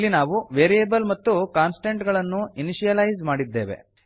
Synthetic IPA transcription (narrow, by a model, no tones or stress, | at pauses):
lːinaːʋuʋeːɾijeːbɐlmɐt̪ːukaːnsʈeɳʈɡɐɭɐnːuiniʃijɐlɐjzmaːɽid̪ːe̞ːʋḛ